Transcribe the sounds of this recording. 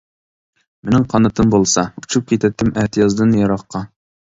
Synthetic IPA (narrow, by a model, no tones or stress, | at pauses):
mɪnɪŋqʰɑnɑt̪ɤmbolˠsɑut͡ʃʰup̚kʲit̪æt̪ːɪmʔæt̪jɑzd̪ɨnjɑɾɑqːɑ